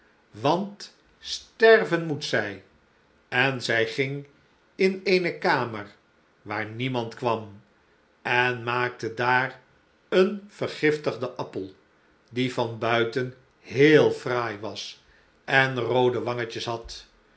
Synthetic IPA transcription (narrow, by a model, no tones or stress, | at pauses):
ʋɑnt | stɛɹvənmutsɛj | ɛnzɛjχɪŋ | ɪnejnəkaːməɹ | ʋaːɹnimɑntkʋɑm | ʔɛnmaːk̚tədaːr | ənv̥əɹχɪftəχdəʔɑpəlˠ | divɑnbœɥtən | ɦeːlˠfraːjʋɑs | ʔɛnrowdəʋɑŋəcəsɦɑt